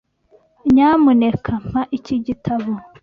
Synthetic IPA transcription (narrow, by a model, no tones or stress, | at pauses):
ɲaːmunekʰam̥aʔiciɟitʰaβo